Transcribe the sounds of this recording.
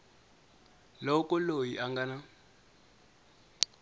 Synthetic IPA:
lɔkʼɔlojiʔaŋɡana

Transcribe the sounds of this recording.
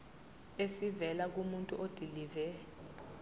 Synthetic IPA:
esivɛlak̬umuntʼuʔod̥ʱilivɛ

